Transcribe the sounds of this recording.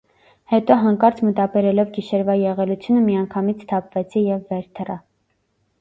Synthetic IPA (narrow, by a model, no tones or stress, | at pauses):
hɛt̪ɔɦɑŋkɑɾt͡sʰmət̪ɑbɛɾɛlɔvɡiʃɛɾvɑjɛʁɛlut͡sʰjunəmiɑŋkʰɑmit͡sʰt̪ʰɑpvɛt͡sʰijɛvːɛɾt̪ʰərɑ